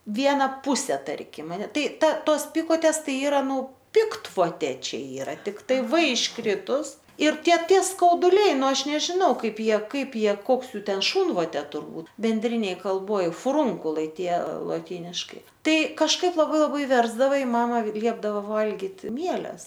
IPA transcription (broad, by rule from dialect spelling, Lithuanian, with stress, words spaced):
ˈʋʲiɛnɐ ˈpʊsʲɛ ˈtɐrʲkʲɪm ɐˈnʲɛ ˈtoːs ˈpʲɪkoːtʲeːs ˈtɐɪ ˈiːrɐ ˈnʊ ˈpʲɪktʋoːtʲeː ˈt͡ʃʲɛ ˈiːrɐ tʲɪkˈtɐɪ ʋ ɪʃˈkrʲɪtʊs ɪr ˈtʲiɛ ˈtʲiɛ skɐʊdʊˈlʲɛɪ ˈnʊ ˈɐʃ nʲɛʒʲɪˈnɐʊ ˈkɐɪp ˈjiɛ ˈkɐɪp ˈjiɛ ˈkoːks ˈjuː ˈtʲɛn ˈʃuːnʋoːtʲeː tʊrˈbuːt bʲɛnʲˈdʲrʲɪnʲeːj kɐlˠˈboːj fʊˈruːŋkʊlˠɐɪ ˈtʲiɛ lˠoːtʲiːnʲɪʃkɐɪ ˈtɐɪ kɐʃˈkɐɪp lˠɐˈbɐɪ lˠɐˈbɐɪ ˈʋʲɛrzdɐʋɐ ɪ ˈmɑːmɐ ˈlʲiɛbdɐʋɐ ˈʋɐlʲɡʲɪt ˈmʲiɛlʲɛs